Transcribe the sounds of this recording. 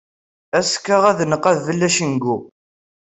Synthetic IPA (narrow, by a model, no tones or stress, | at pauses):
æskːaʁæðnəqːæðːəlːæʃənɡu